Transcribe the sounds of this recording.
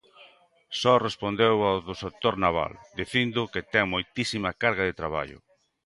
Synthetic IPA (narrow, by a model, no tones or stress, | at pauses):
sɔrespond̪ewawðʊsek̚t̪oɾnaβ̞a̰ld̪iθind̪ʊket̪ɛŋmojt̪isimɐkaɾɣɐðet̪ɾaβa̰ʎʊ̰